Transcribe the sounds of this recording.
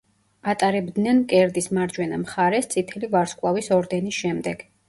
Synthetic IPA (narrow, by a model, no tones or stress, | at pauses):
at̪ʼaɾɛbd̪nɛnkʼɛɾd̪ismaɾd͡ʒwɛnamχaɾɛst̪sʼit̪ʰɛlivaɾskʼvˠavisɔɾd̪ɛnisʃɛmd̪ɛɡ̥